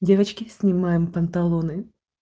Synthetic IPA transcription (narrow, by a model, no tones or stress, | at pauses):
dʲevət͡ɕkʲɪsʲnʲɪmajɪmpɐnt̪ɐlˠonɨ